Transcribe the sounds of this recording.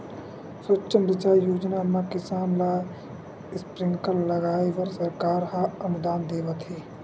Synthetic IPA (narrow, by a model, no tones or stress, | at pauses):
sʊt͡ʃːəmbɪt͡ʃaːjoːd͡ʒnamãkɪsaːnlaː | ɪspɾɪ̃ŋɡkəlləɡaːiʋəɾsəɾkaːɾɦaɐnʊd̪aːnd̪eːʋət̪ɦeː